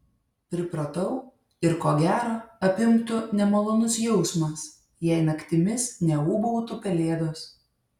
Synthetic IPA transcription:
pʲɾʲɪpɾɐt̪ɐʊ | ɪɾkoːɡʲæːɾoːɐpʲɪmkt̪ʊnʲɛmɐlˠoːnʊsjɛʊsmɐs | jɛɪnɐkʲt̪ʲɪmʲɪsnʲɛuːbɔʊt̪ʊpʲɛlʲeːd̪oːs

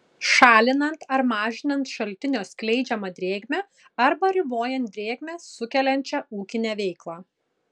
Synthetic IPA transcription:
ʃɑːlʲɪnɐnt̪ɐɾmɑːʒʲɪnɐnt̪ʃɐlʲt̪ʲɪnʲoːsʲklʲɛɪd͡ʒʲɛmɐd̪ʲɾʲeːɡʲmʲɛ | ɐɾbɐɾʲɪboːjɛnt̪̚d̪ʲɾʲeːɡʲmʲɛsʊkʲɛlʲɛnʲt͡ʃʲɛuːkʲɪnʲæːʋʲɛɪklˠɑː

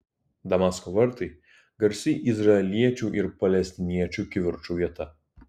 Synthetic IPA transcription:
d̪ɐmaskɔʋɐɾt̪ɐɪ | ɡɐɾʲsʲɪʔɪzɾɐɛlʲiɛt͡ʃʲuːˑʔɪɾpɐlʲɛsʲt̪ʲɪnʲiɛt͡ʃʲukʲɪʋʲɪɾt͡ʃuːʋʲiɛt̪ɐ

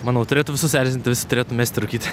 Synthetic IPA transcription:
mɑːnoʊt̪ʊɾʲeːt̪ʊʋʲɪsʊsʲæːɾʲsʲɪnʲt̪ʲɪʋʲɪsʲɪt̪ʊɾʲeːt̪ʊmʲeːsʲt̪ʲɪɾɐʊkʲiːt̪ʲɪ

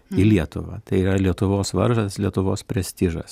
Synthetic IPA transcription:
ɪlʲiɛt̪ʊʋɐ̰t̪ɐɪiːɾɐlʲiɛt̪ʊʋoːsʋɐɾʒɐslʲiɛt̪ʊʋoːspʲɾʲɛsʲt̪ʲiʒɐ̰s

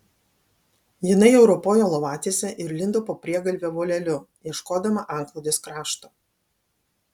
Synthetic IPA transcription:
jɪnɐɪɛʊɾɔpoːjoːlˠɔʋɑːt̪ʲisʲɛʔɪɾlʲɪnd̪opoːpʲɾʲiɛɡɐlʲʋʲeʋoːlʲɛlʲʊ | jiɛʃkoːd̪ɐmɐʔɑˑŋklˠɐʊd̪ʲeskɾɑːʃt̪oː

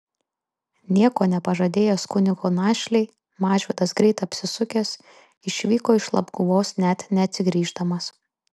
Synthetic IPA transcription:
nʲiɛkoːnʲɛpɐʒɐd̪ʲeːjoːskʊnʲɪɡoːnɑːʃʲlʲɛɪ | mɑːʒʲʋʲɛd̪ɐsɡɾʲɛɪt̪ɐpʲsʲɪsʊkʲɛs | ɪʃʲʋʲiːkoːɪʃlˠɐ̰bɡʊʋoːsnʲæt̪nʲɛɐt̪ʲsʲɪɡɾʲiːʒd̪ɐmɐs

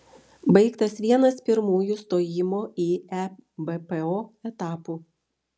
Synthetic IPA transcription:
bɐɪkt̪ɐsʋʲiɛnɐspʲɪɾmuːjuːst̪oːjɪmoːiːɛbɛpɛoːɛt̪ɑːpuː

